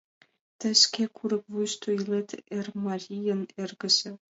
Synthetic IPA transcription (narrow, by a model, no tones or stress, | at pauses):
t̪ə̆ʃkʲekʰuɾə̆k̚vujʃt̪oilet̪ermɑɾʲijənerɡə̆ʒĕ